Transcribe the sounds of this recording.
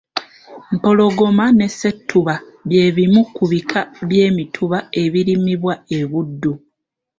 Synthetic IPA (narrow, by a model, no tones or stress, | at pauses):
m̩po̞lo̞ɡo̞mane̞sːe̞tʰːuβa | βje̞ːβimukuβikʰaβje̞ːmitʰuβae̞βiɾimiβwaeβudːu